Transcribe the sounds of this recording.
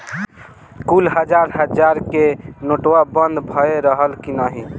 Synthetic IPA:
kulɦəd͡ʒaɾɦəd͡ʒaɾkenoʈwabənd̪bʱəeɾəɦəlkinəɦi

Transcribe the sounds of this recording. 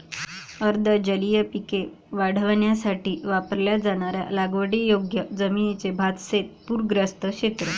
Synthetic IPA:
əɾd̪ʱəd͡ʑəlijəpike | ʋaɽ̤əʋəɳjasaʈiːʋapəɾljad͡zaɽ̃aɾja̰laɡʋəɽijoɡjəd͡zəminit͡sebʱad̪set̪̚puɾɡɾəst̪əkɕet̪ɾə

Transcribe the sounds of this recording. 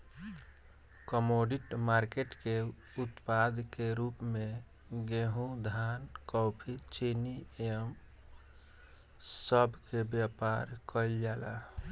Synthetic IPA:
kəmoɖiʈmaɾkeʈkeut̪pad̪ʱkeɾupmeɡeɦũd̪ʱankɔpʰit͡ʃeniem | səbʱkebjapaɾkəld͡ʒala̰

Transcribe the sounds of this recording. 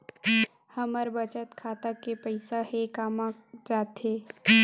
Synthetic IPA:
hɐməɾbət͡ʃət̪kʰaːt̪akepɐɪsahekaːmãd͡ʒaːt̪ɦeː

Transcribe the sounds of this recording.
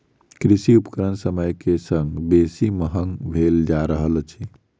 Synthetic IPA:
kɾisiupəkəɾənsəməjkesəŋɡbesiməɦəŋɡbʱeld͡ʒaɾəɦəlt͡ʃʰi

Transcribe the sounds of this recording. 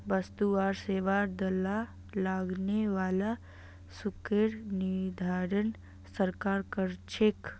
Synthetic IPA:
bəst̪uaːɾseːʋaɾd̪ɐla | laːɡneʋaːla | sukeɾnid̪ʱaːɾən | səɾkaːɾkəɾt͡ʃʰek

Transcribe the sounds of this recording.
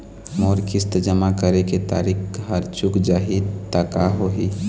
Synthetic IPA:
moːɾkɪst̪əd͡ʒəmakəɾeket̪a̰ːɾikɦəɾt͡ʃʊkd͡ʒaːɦiːd̪t̪akaɦoɦiː

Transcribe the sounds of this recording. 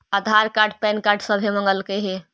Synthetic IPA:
ad̪ʱaɾkaɾɖpɛnkaɾɖsəbʱeməŋɡəlkeɦe

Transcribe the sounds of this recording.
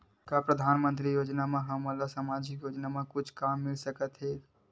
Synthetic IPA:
kapɾəd̪ʱaːnmə̃nt̪ɾijoːd͡ʒnamẽɦəməlasamad͡ʒikjoːd͡ʒnamẽkʊt͡ʃʰkamːɪlsəkət̪ɦe

